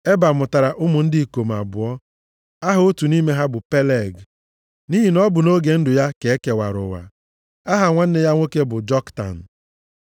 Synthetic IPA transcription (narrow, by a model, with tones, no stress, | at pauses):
e˦ba˨mʊ˨ta˨ɾa˨ʔʊ˦mʊ˨n̩˦dɪ˦˨ko˨m̩˨a̰˨bʊ˨ɔ˦ | a˦ɦʊ˦o˦tu˨ni˦me˦ɦa˦bʊ˨pe˦le˨ɡ | ni˦ɦi˨nɔ˦bʊ˨no˦ɡe˨n̩˦dʊ˨ja˦ke˨e˦ke˨wa̰˨ɾʊ̰˨wa̰˨ | a˦ɦa˨ŋʷa˦n̩˦ɪ˦ja˦ŋʷo˦ke˦bʊ˨d͡ʒɔ˦kta̰˨n̩˨